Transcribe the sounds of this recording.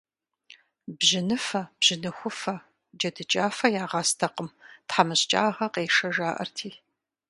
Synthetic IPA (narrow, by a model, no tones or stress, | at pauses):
bʒɪnɨfɐb̥ʒ̥ɪnɨxʷʊfɐ | d͡ʒɐdɨt͡ʃʼaːfɐjaːʁɑːstʰɐqəmtħamɨɕt͡ʃʼa̰ːʁɐqeːʂɐʒaːʔɐ̰rtʰiː